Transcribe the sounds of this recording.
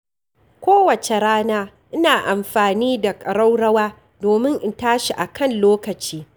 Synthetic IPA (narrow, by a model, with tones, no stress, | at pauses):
kʷoː˦wɐ˨t͡ʃe˨ɾaː˦naː˦ | ʔɪ˦naː˨ʔa˨mɸaː˨niː˦da˨kʼɐ˨ɽa˦wɽɐ˦waː˦ | doː˨mɪ˦ŋʔɪ˦ntaː˦ʃi˨ʔa˨kʰɐ˦˨nloː˦kɐ˨t͡ʃiː˦